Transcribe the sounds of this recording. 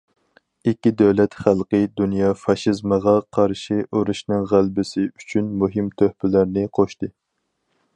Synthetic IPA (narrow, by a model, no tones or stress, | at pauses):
ikʲːid̪ɛwlɛt̪χælˠqəjd̪unjɑːfɑʃizməʁɑqʰɑɾʃiʔuɾuʃnɨŋʁælbɪsɪyt͡ʃʰynmuɦɪmt̪ʰøhpɪlæɾnɪqʰoʃt̪ɨ